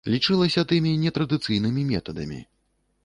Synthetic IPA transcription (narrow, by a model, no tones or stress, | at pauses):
lʲit͡ʂɨlˠɐsʲɐt̪ɨmʲinʲɛt̪ɾɐd̪ɨt̪sɨjnɨmʲimʲɛ̰t̪ɐd̪ɐmʲḭ